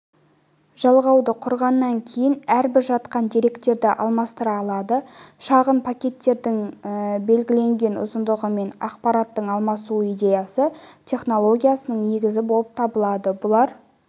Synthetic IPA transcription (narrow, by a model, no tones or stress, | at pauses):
ʒ̥ɑlˠʁɑwd̪əqʰʊɾʁɑnːɑŋkʲʰe̞jɪnæɾbɪɾʒɑt̪qɑnd̪eɾe̞kt̪e̞ɾd̪ɪʔɑ̰lˠmɑst̪əɾɑːlˠɑd̪əʃɑʁənpʰakʲe̞t̪ːe̞ɾd̪ɪŋbe̞lɡʲɪle̞ŋɡʲe̞nʊ̰zənd̪əʁəme̞nɑqpɑɾɑt̪ːəɴɑlˠmɑsuijd̪ʲe̞jɑsət̪ʲʰe̞χno̞lˠo̞ɡʲijasənəɴne̞ɡʲɪzɪbo̞lˠəp̚t̪ʰɑbəlˠɑd̪əbʊlˠɑɾ